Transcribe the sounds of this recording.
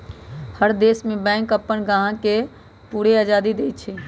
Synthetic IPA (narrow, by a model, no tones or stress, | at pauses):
həɾd̪eːsmẽbɛ̃ŋkəpːənɡãɦãke | puːɾead͡ʒaːd̪id̪eːt̪̚t͡ʃʰi